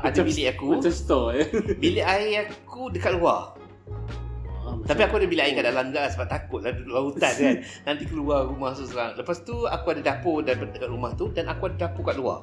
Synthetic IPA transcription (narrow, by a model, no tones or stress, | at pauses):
adabilɪakut͡ʃast̪ɔbilɪʔaiakudəkat̪̚lua | t̪apiakuadabilɪʔaikaʔdaʔlaŋɡasəbat̪akʊt̪̚laduuaut̪ankan | nãnt̪ikəluarumahsusəɾaŋləpast̪ua̰kuadadapodabadəkat̪̚ɾumaht̪udanakuadadapokaʔ̪lua̰